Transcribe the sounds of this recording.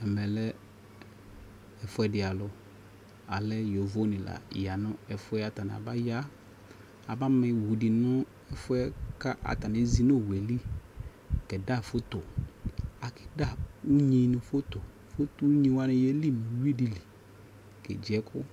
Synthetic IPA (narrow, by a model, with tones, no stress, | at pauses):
ɛ˨mɛ˨lɛ˦ | ɛ˨fʊ˦ɛ˨dɪ˨a˨lʊ˨ | a˨lɛ˦jo˨vo˦nɪ̃˨la̰˨ja˨nʊ̃˦ɛ˨fʊ˦ɛ˦a˨ta˨nɪ˨a̰˨ba˦ja˦ | a˨ba˦mɪ˨wu˨dɪ˨nʊ̃˦ | ɛ˨fʊ˦ɛ˦ka˦ʔa̰˨ta˨nɪ˨˦zi˦no˦˨wɛ˨li˦ | kɛ˨da˦˨fʊ˦tʊ˨ | a˨kɪ˦da˦˨u˦ɲĩ˦nʊ̃˨fʊ˦tʊ˨ | fo˦tu˦ɲĩ˦wa˦nɪ̃˦jɛ˦li˦mĩ˨˦wi˦di˨li˨ | kɛ̰˨d͡ʒɪ˨ɛ˦kʰʊ˦